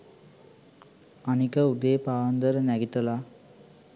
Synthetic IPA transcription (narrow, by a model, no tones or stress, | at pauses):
anikəud̪ejpaːʋɐnd̪əɾənæɡit̪əla